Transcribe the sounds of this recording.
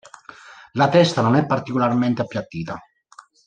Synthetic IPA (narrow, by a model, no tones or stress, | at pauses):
lat̪ɛst̪anonɛpːart̪ikolarment̪eapːjat̪ːiːt̪a